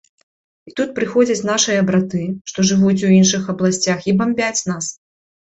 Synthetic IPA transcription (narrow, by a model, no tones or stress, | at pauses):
it̪ut̪̚pɾɨxɔd͡zʲɐt͡sʲn̪aʂɨjɐɐbɾat̪ɨʂt̪ɔʐɨvut͡sʲuwinʂɨxɐblˠasʲt͡sʲaxibamʲbʲat͡sʲnas